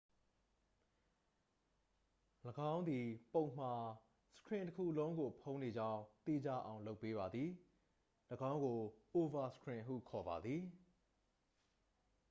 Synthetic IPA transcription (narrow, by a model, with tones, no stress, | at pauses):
ləɡã˦ʊ̃nd̪i˨põ˨ʊ̃m̥a˨ | sə̥kʰɹɪ̃˨ntəkʰṵ˦˨lõ˦ʊ̃ŋɡo˨pʰõ˦ʊ̃ne˨d͡ʑã˦ʊ̃t̪i˦˨d͡ʑa̰˦˨ʔã˨ʊ̃lo˦ʊpːe˦βba˨d̪ði˨ | ləɡã˦ʊ̃ŋɡo˨o˨va˨sə̥kʰɹɪ̃˨ɦṵ˦˨kʰɔ˨ba̰˨d̪ði˨